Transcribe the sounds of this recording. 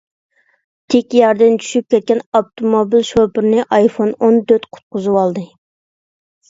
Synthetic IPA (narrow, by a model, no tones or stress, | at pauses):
t̪ʰekʲjɑɾd̪ɪnt͡ʃʰy̥ʃyp̚kʲʰɛt̪̚kʲɛnɑpt̪ʰomobilʃopɨɾnɨʔɑjfonond̪øt̪qʰʊ̥t̪̚qʊzɨwɑlˠd̪ɨ